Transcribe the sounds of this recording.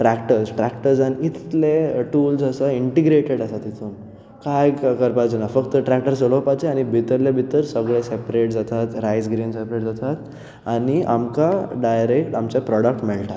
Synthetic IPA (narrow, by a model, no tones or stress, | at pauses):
ʈɾɛkʈəɾsʈɾɛkʈəɾd͡zanit̪t̪leʈuːlsəsəiɳʈiɡɾeʈeɽəsat̪it̪ʰuːn | kajkəɾpad͡ʑənafəkt̪əʈɾɛk̚ʈəɾsəɭopat͡seañibʱit̪əɾlebʱit̪əɾsəɡɭesepɾeʈ̚d͡zat̪at̪ɾajsɡɾinsepɾeʈd͡zat̪at̪ | aniʔa̰mkaɖajɾekʈamt͡ɕapɾɔɽək̚ʈmɛɭʈat̪